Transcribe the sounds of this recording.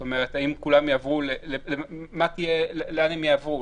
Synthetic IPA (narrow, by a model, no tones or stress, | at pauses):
t̪omeʁet̪haimkulamjaːvʁulelelemat̪ijeleleanhemjaːvʁu